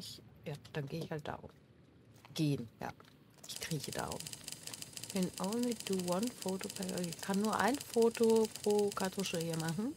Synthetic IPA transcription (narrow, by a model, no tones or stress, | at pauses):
ɪçjaːd̥anɡeːɪçhalt̚d̥a̰ːʔʊ̰m | ɡ̥eːənja̰ː | ʔɪçkʁ̥iːçəd̥a̰ːʊ̰m | kʰɛnʔoʊnliduwanfoːtopʰɛoɪçkʰanːuːɐʔa̰ɪnfoːtopʁ̥oːkʰatʰoʃəiːɐmaχn̩